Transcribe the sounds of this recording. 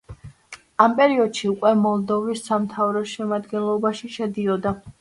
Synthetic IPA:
ampʼɛɾiɔd̪̥ʃiukʼwɛmɔlˠd̪ɔvisːamt̪ʰavɾɔʃɛmad̪ɡɛnlˠɔbaʃiʃɛd̪iɔd̪a

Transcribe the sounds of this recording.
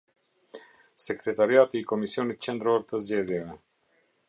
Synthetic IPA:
sɛkɾɛt̪aɾiat̪iːkɔmisiɔnit̪̚t͡ɕɛnd̪ɾɔɾt̪əzd͡ʑɛðjɛvɛ

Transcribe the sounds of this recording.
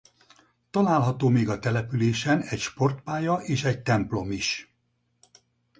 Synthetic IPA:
t̪ɒlaːlɦɒt̪oːmeːɡɒt̪ɛlɛpyleːʃɛnɛcʃpo̞rt̪paːjɒʔeːʃɛɟ̚t̪ɛmplo̞miʃ

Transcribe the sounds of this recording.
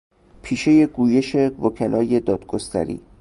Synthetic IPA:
pʰiːʃe̞je̞ɡuːje̞ʃe̞vokʰælʔɒːje̞d̪ɒːd̪̥ɡost̪ʰæ̰ɾḭː

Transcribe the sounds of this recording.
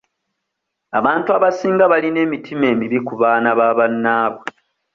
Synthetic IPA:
aβaːntuaβasiːŋɡaβaline̞ːmitʰime̞ːmiβikuβaːnaβaːβanːaːβo

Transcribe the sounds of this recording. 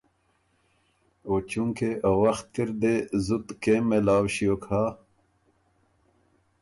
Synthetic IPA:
oːt͡ɕuŋkeʔɐwɐxt̪̚kiɾd̪ezut̪keːmelaːwɕijokʰaː

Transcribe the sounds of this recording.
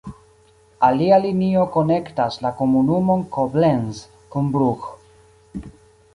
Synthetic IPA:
alialinio̞ko̞ne̞ktaslako̞munumo̞nkoblenz | kunbɾux

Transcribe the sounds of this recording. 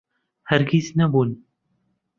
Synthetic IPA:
hæɾɡiznɐbuːn

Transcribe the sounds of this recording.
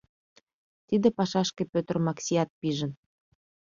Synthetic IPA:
t̪id̪ĕpɑʃɑʃkĕpøt̪ə̆rmɑksʲiɑt̪̚piʒə̆n

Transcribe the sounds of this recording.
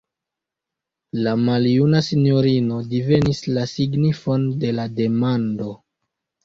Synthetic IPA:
lamaljunasinjoɾino̞dive̞nislasiɡnifo̞nde̞lade̞mando̞

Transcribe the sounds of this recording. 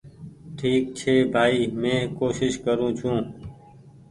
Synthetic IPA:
ʈʰiːk̚t͡ʃʰeːbʱaːiːmẽːkoːʃɪʃkəɾũːt͡ʃʰũː

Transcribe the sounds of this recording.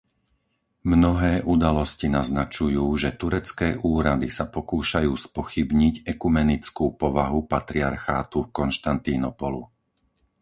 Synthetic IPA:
mnɔɦɛːʔud̪alɔscinaznat͡ʃujuːʒɛt̪uɾɛt͡skɛːʔuːɾad̪isapɔkuːʃajuːspɔxibɲiɟɛkumɛnit͡skuːpɔʋaɦupat̪ɾiaɾxaːt̪ufkɔnʃt̪ant̪inɔpɔlṵ

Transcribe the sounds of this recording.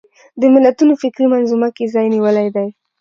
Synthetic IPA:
d̪əmɪlːat̪unofɪkɾimanzumakezɑjniwəlajd̪aj

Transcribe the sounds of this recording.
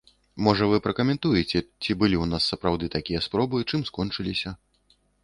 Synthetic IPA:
mɔʐɐvɨpɾɐkɐmʲɛnt̪ujɛt͡sʲɛt͡sʲibɨlʲiwnasːɐpɾawd̪ɨt̪akʲijɐspɾɔbɨt͡ʂɨmskɔnt͡ʂɨlʲisʲɐ

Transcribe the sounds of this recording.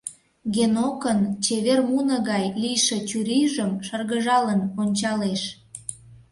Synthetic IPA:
ɣenokənt͡ɕeβermunə̆ɣɑjlijʃet͡ɕuɾiʒəmʃərɣəʒɑlənonʲt͡ɕɑleʃ

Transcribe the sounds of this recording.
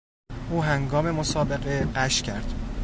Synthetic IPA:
ʔuːɦæŋɡɒːme̞mosɒːbeɢeɢæʃcʰæɾd̪̥

